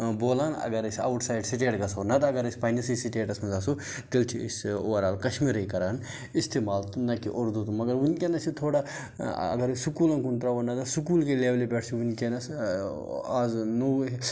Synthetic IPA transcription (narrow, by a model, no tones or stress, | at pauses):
boːlaːnɐ̰ɡɐɾɐsʲɐ̰wʈʰsaːjɖsiʈ̬eːʈɡɐsoːnɐt̪ɐɡɐɾɐsʲpɐjnɐsisiʈeːʈɐsmɐzɐsu | t̪ilt͡ʃʰḭsoːɾaːlkɐʃmiɾɐjkɐɾaːn | ist̪eːmaːlt̪unɐkiʔoɾd̪ut̪umɐɡɐɾʋunkʲenɐsit̪ʰoːɽa | ɐ̰ɡɐɾisukuːlɐnkunt̪ɾaʋɐnɐt̪ɐsukuːlkeleːʋlibʲeʈʰsiʋunkenɐs | aːznu